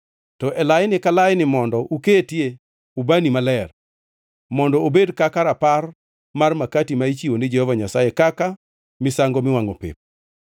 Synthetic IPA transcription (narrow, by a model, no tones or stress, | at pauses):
tɔʔɛlajɪnɪkalajɪnɪmɔndɔʔuketje | ubanimalɛr | mɔndɔobedkakaɾapar | marmakatimait͡ʃiwonɪd͡ʒehɔvaɲasajekaka | mɪsaŋɡɔmɪwaŋo̰pḛp̚